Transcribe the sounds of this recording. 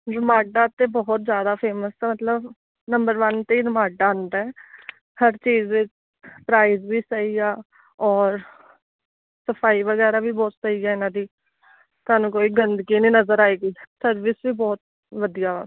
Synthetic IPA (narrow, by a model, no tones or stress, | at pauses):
ɾɪmaːɖaːt̪eːbɔːt̪zjaːd̪aːpʰeːməsɛːmət̪ləb | nəmbəɾʋənt̪eiːɾɪmãːɖand̪ɛɛː | həɾt͡ʃiːzɪt͡ʃ | pɾaːizbiːsəiːɡaː | ɔːɾ | səpʰaːiːʋəɡɛːɾaːbiːbɔːt̪səiːɛːɪnãːd̪iː | t̪aːnũːkoːiːɡənd̪ɡiːniːnəzəɾaːeːɡiːsəɾʋɪsʋiːbɔːt̪̚ | ʋəd̪ijaː